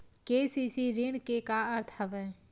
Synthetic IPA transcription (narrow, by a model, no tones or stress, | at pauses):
kesisiɾɪɳkekaəɾt̪ʰəʋɛ